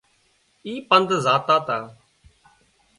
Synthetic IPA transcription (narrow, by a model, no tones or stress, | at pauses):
iːpənd̪zaːt̪aːt̪aː